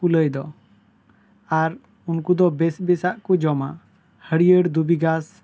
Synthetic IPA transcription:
uləjd̪ɔ | aɾ | unkud̪ɔbɛsbɛsaʔkud͡ʒɔma̰ | həɽijəɽd̪ubiɡas

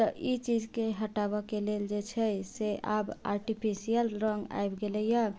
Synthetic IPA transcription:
t̪əʔit͡ʃid͡ʒkeɦəʈabəkeleld͡ʒet͡ʃʰɛseʔaba̰ɾʈipʰisijəlɾɔŋɡa̰jbɡeləja

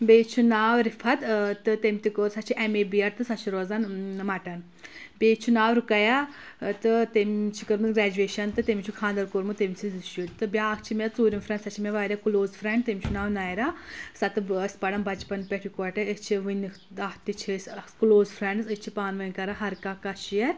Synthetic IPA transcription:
beːt͡ʃʰunaːwɾipʰɐt̪t̪ɨt̪emʲt̪ikoːɾsɐt͡ʃʰiʔemeːbijɐɾt̪ɨsɐt͡ʃʰiɾoːzanmɐʈɐn | beːt͡ʃʰunaːwɾukɐja | t̪ɨt̪emt͡ʃʰikɨɾmɨɡɾaːd͡ʒueːʃɐnt̪ɨt̪emʲit͡ʃʰukʰãːnd̪ɐɾkoɾmɨt̪emisʰiziʃut̪ɨbʲaːkt͡ʃʰimʲɐt͡suːɾʲimfʰɾɐ̃ɳɖsɐt͡ʃʰimʲeʋaːɾʲjakuloːzfʰɾɛɳɖt̪emʲit͡ʃʰunaːʋnaːjɾaːsɐt̪ɨsʲpɐɽɐnbɐt͡ʃpɐnpʲɛʈʰikɔʈɐit͡ʃʰiʋun | aht̪it͡ʃʰeskloːzfʰɾɐɳɖsɨt͡ʃʰipaːnʋɐnʲkɐɾaɦɐɾkakɐʃijɐ

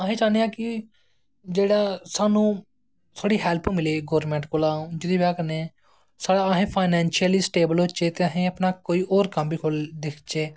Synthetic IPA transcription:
əɦẽːt͡ʃãːnd̪ejãːkɪ | d͡ʒeːɽaːsaːnũː | t̪ʰoːɽiːɦɛːlpʰmɪleːɡoːɾmɛ̃ɳʈkoːlaːũːd͡ʒɪd̪iːbjaːkəɾne | saːɽaːɦẽːpʰaːɪnɛ̃ːnʃiəlisʈeːbəlot͡ʃeːt̪eːəɦẽːəpnaːkoːiːʔoːɾkəmbiːkʰoːld̪eːkʰt͡ʃeː

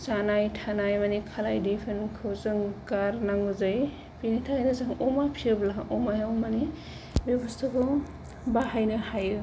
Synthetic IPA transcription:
sanajtʰanajmanikʰalajdepʰenkʰɯwzɯŋkaɾnaŋuzaj | pinitʰajnɯzɯŋɔmapʰiɯblaʔɔmajawmani | bibɔstʰɯkʰu | baɦajnɯhajɯ

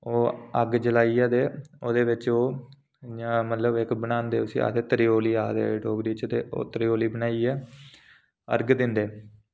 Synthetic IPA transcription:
oːəɡd͡ʒəlaːijaːd̪eːoːd̪eːʋɪt͡ʃoː | aːmət̪ləbɪkbənaːnd̪eːʊsḭːa̰ːd̪eːt̪əɾɪjoːliːaːd̪ḛːɖoːbɾiːt͡ʃt̪eːo̰ːt̪əɾɪjoːliːbənaːiːɛː | ə̰ɾɡd̪ɪnd̪eː

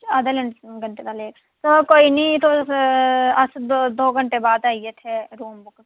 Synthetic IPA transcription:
ad̪ələɳɡəɳʈeːd̪aːleːk | sokoːiːniːt̪o | əsd̪oːɡəɳʈeːbaːd̪aːiːeːt̪ʰeɾuːmbʊk

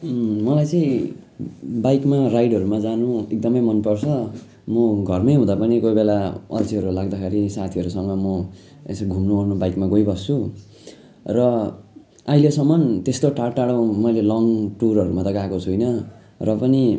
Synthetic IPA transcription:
mʌlajt͡sʌĩ | bajkmarajɽʌɾumad͡zanuek̚d̪ʌmʌjmʌnpʌrt͡sʰʌ | mʌɡʱʌrmʌjɦũd̪apʌnikojbelaʌ̰lt͡siɦʌɾulaɡd̪akʰeɾisat̪ʰiʌɾusʌŋmʌmʌ | ḛsɡʱumnuʌrnubajkmaɡojbʌst͡sʰu | rʌ | aɦilesʌmːʌnt̪est̪oʈarʈaɽãmʌjlelʌŋʈurʌɾumat̪ʌkakot͡sʰujnʌ | rʌpʌni

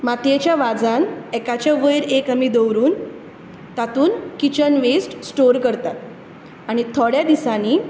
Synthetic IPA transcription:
mat̪jet͡ɕjaʋad͡zanɛkat͡ɕjaʋəjɾekɦamid̪owɾuːn | t̪at̪uːnkit͡ɕənʋesʈsʈoɾkəɾt̪at̪̚ | aɽ̃it̪ʰɔɽjad̪isaniː

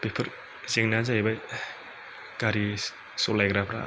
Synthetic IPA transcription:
pepʰɯɾ | zeŋnazajbaj | ɡ̥aɾi | solajɡɾapɾa̰

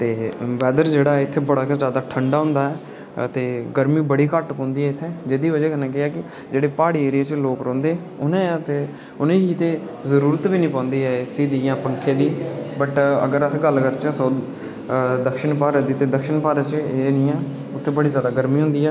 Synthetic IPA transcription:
t̪eːʋɛːd̪əɾd͡ʒeːɽaːɛɪt̪ʰːeːbəɽaːkzjaːd̪aːʈʰəɳɖaːɦʊ̃ːnd̪aːɛː | t̪eːɡəɾmiːbəɽiːkəʈkõːnd̪iːɛːɪt̪ʰːeːd͡ʒed̪iːʋəd͡ʒɛːkənãːkɪɛːkɪ | d͡ʒeːɽeːpaːɽiːeːɾɪjeːt͡ʃloːkɾɔ̃ːnd̪eː | ʊnẽːt̪eː | ʊnẽːɦiːt̪eː | zəɾuːɾət̪biːnĩːpãːnd̪iːɛːɪsiːd̪ijãːpəŋkʰẽːd̪iːbəʈə̰ɡəɾəsɡəlkəɾt͡ʃəsoː | d̪əkʃɪnpaːɾəd̪iːt̪eːd̪əkʃɪnpaːɾət͡ʃeːnĩːɛː | ʊt̪ʰːeːbəɽiːzjaːd̪aːɡəɾmĩːɦʊ̃nd̪iːɛː

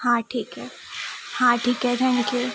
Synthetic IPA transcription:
hãʈʰiːkɦɛ | hãːʈʰiːkɦɛt̪ʰɛ̃ŋkju

